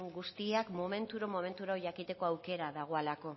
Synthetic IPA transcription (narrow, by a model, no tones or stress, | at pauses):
ŋɡust̪iakmo̞me̞nt̪uɾomo̞me̞nt̪uɾaoʝakit̪e̞ko̞awke̞ɾaðaɣ̞o̞alako̞